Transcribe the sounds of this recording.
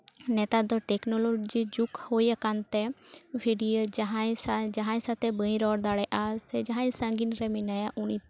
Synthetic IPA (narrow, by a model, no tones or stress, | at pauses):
nɛt̪ad̪ɔʈɛknɔloɡd͡ʒid͡ʒukhojakant̪ɛbʱiɖiəɦad͡ʒaɦãsat̪ɛbəĩɾɔːɽd̪aɽɛʔasɛd͡ʒaɦãsə̃ŋɡinɾɛminajaʔʊni